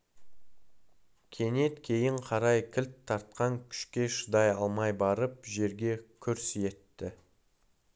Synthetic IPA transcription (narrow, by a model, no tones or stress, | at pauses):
kʲʰe̞ne̞t̪kʲʰe̞jɪɴqʰɑɾɑjkʲʰɪlt̪ʰːɑɾt̪̚qɑŋkʲʰʏ̥ʃkʲe̞ʃəd̪ɑjɑlˠmɑjbɑɾəpʒe̞ɾɡʲe̞kʲʰʏɾsje̞t̪ːɪ